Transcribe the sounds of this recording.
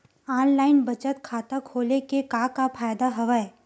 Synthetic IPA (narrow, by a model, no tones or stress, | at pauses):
aːnlaːɪnbɐt͡ʃət̪kʰaːt̪akʰoːlekekaːkapʰaːjd̪aɦɐʋae